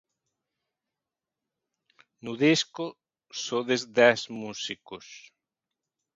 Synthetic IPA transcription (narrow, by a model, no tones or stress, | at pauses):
nʊðiskʊ | soðezd̪ɛsmusikʊs